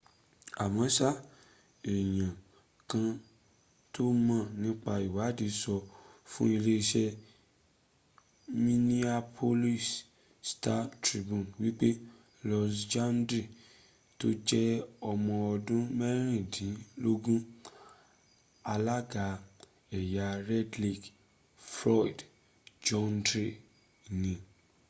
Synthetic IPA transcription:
a˨mɔ̃˨˦sa˦ | e˨j̃ã˨ | kã˧ | to˦mã˦˨nĩ˦k͡pa˧i˨wa˨˦di˨˦sɔ˧fũ˦i˧le˦i˧ʃɛ˦ | mĩ˦ni˦a˧pʰo˧li˦˨s | sta˦tɾi˧bũ˨nwi˦k͡pe˦ | lɔ˧sd͡ʒa˦n˦dɾi˦˨ | to˦d͡ʒɛ˦ɔ˧mɔ̃˧ɔ˧dũ˦mɛ˦ɾ̃ĩ˦˨dĩ˨˦lo˦ɡũ˦ | a˧la˦ɡa˨˦ | ɛ˨ja˨ɾɛ˦dli˦k | fɾɔ˦i˨d | d͡ʒɔ̃˦n˦dɾe˨ | nĩ˧

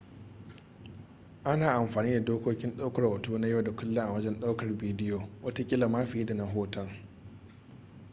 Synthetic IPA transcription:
ʔa˦naː˨ʔa˨mɸaː˨niː˦da˨doː˦koː˦kʲɪ˦nɗa˦wkɐ˨rwɐ˨tuː˦na˦ja˦˨da˨kʷʊ˦lːɪ˦ʔa˨wɐ˦d͡ʒɛ˦nɗa˦wkɐ˨rbiː˦dɪ˦joː˨wʔɐ˦ta˦kʲʼɪ˦la˨maː˦ɸɪ˨iː˦da˨na˦ɦoː˦tɐ˦ŋ

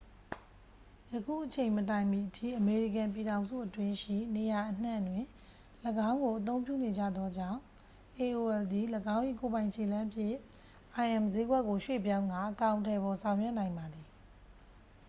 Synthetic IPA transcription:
jəkʰṵ˦˨ʔət͡ɕʰẽ˨ɪ̃mətã˨ɪ̃mi˨ʔətʰḭ˦˨ʔəme˨ɹi˦˨kã˨mp̬i˨ɾã˨ʊ̃nzṵ˦˨ʔətwɪ̃˦ʃḭ˦˨ne˨ja˨ʔən̥ã˦˨ndwɪ̃˨ | ləɡã˦ʊ̃ŋɡo˨ʔət̪̬õ˦ʊ̃mpjṵ˦˨ne˨d͡ʑä̰˦˨d̪ɔ˦d͡ʑã̰˦˨ʊ̃ | ʔe˨ʔo˨ɛ˨ld̪i˨ləɡã˦ʊ̃ʔḭ˦˨ko˨bã˨ɪ̃ɕʰe˨lã˦pʰjɪ̃˦˨ | ʔa˨ɪʔɛ̃˨mze˨˦ɡwɛ˦ʔkːo˨ʃwḛ˦˨p̬jã˦ʊ̃ŋɡa̰˦˨ʔəkã˨ʊ̃ntʰɛ˨bɔ˨sʰã˨ʊ̃jwɛ˦ʔnã˨ɪ̃mba˨d̪ði˨

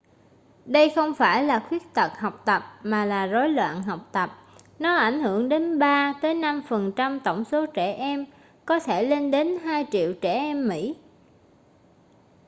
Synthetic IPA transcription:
ɗə˧jxə˧wŋ͡mfaː˧˩jlaː˨˩xwi˦˥ək̚t̪ə˨˩t̚hɔ˨˩wk͡p̚t̪ə˨˩p̚maː˨˩laː˨˩zo˨˦jlwa̰ː˧˨nɦɔ˨˩wk͡p̚t̪ə˨˩p̚ | nɔ˨˦ʔa˧˩jŋ̟hɨ˧˩əŋɗe˨˦nɓaː˧t̪əː˨˦jna˧mfə˨˩nt͡ɕa˧mt̪ə˧˩wŋ͡mso˨˦t͡ɕɛ˧˩ʔɛ˧m | kɔ˨˦t̪ʰe˧˩le˧nɗe˨˦nɦaː˧jt͡ɕḭ˧˨əwt͡ɕɛ˧˩ʔɛ˧mːḭ˧˥

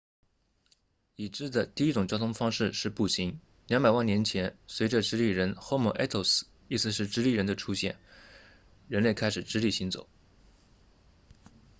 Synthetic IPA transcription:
i˨˩ʈ͡ʂɻ̩˥d̪ə˨t̪i˥˩i˥ʈ͡ʂʊ˨˩ŋt͡ɕjɑ˥ʊt̪ʰʊ˥ŋfɑ˥ŋʂɻ̩˥˧ʂɻ̩˥˧pu˥˩ɕi˧˥ŋ | ljɑ˧˥ŋpa˨˩ɪwa˥˩njɛ˧˥nt͡ɕʰjɛ˧˥nswe˧˥ɪʈ͡ʂə˧ʈ͡ʂɻ̩˥li˥˩ɻə˧˥nxo˥ʊmɔ˨˥˩ʔɛ˥t̪ʰo˧˩ʊs̩˨˩ | i˥˩sɹ̩˧˥ʂɻ̩˥˩ʈ͡ʂɻ̩˥li˥˩ɻə˧˥nd̪ə˧ʈ͡ʂʰu˥ɕjɛ̰˥˩n | ɻə˧˥nle˥˩ɪkʰa˥ɪʂɻ̩˨˩ʈ͡ʂɻ̩˥li˥˩ɕi˧˥nt͡so̰˨˩˦ʊ

